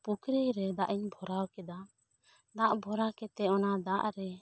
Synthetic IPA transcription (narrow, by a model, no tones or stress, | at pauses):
pukɾɛɾɛd̪aʔiɲbʱɔɾawkɛd̪a | d̪aʔbʱɔɾakɛt̪ɛɔnad̪aʔɾɛ